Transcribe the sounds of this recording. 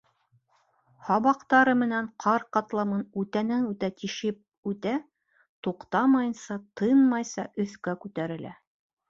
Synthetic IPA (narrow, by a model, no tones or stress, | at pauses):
hɑβɑqt̪ɑɾɤmɘ̆næɴqʰɑɾqɑt̪lˠɑmɤnʉt̪ænænʉt̪æt̪iʃɘp̚ | ʉt̪æ | t̪uqt̪ɑmɑjɤnsɑt̪ɤjnmɑjsɑʔɵ̆θkækʉt̪æɾɘ̆lʔæ̰